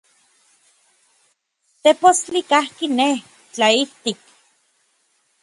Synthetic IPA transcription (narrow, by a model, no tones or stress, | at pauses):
t̪epost͡ɬikahkine | t͡ɬaiht̪ik̚